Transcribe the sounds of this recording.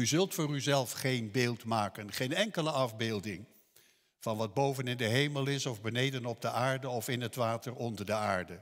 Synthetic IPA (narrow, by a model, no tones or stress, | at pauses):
yzɵlˠtfʊːryzɛlˠfχejnbeːlˠtmaːkənχejnɛŋkələɑvbeːlˠdɪŋ | v̥ɑnʋɑd̚bowvənɪndəɦejməlˠɪsɔvbənejdənɔb̚dəʔaːɹdəɔfɪnɦətʋaːtərɔndəɹdəaːɹdə